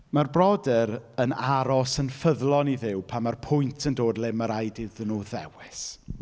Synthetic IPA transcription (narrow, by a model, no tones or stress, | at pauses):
marbrɔdɛɾənaɾɔsənfəðlˠɔniðɪwpʰamarpʰʊjntʰəndoːdlɛməɾajdɪðənuðɛ̰wɪs